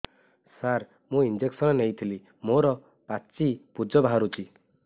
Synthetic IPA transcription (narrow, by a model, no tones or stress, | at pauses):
saɾ | mũind͡ʒeksɔnɔnejt̪ʰili | moɾɔ | pat͡ʃipud͡ʒɔbaɦaɾut͡ʃʰi